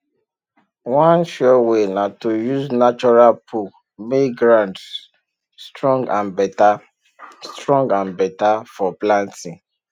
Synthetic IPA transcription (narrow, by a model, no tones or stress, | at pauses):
wãnʃɔwenatojuznat͡ʃɔɹalpʰu | meɡɾãnd | stɹɔ̃ŋɡãnbɛta | stɹɔ̃ŋɡãnbɛtafɔplãntĩŋ